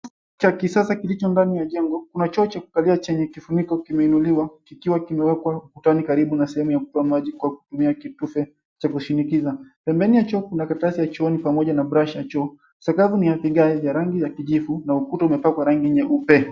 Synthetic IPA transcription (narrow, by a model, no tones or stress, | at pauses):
t͡ʃakisasakilit͡ʃɔndanijaʄɛŋɡɔkunat͡ʃɔːt͡ʃaku̥kaliat͡ʃɛɲɛkifunikɔkimɛinuliwakikiwakimɛwɛkwakutanikaɾiɓunasɛhɛmujakutɔamaʄikwaku̥tumiakitufɛ | t͡ʃakuʃinikizapɛmbɛnijat͡ʃɔːkunakatasijat͡ʃɔɔnipamɔʄanabɾaʃat͡ʃɔː | sakavunijapiɠaɛijaɾaŋɡizakiʄifunaukutɔumɛpakwaɾaŋɡiɲɛʔupɛ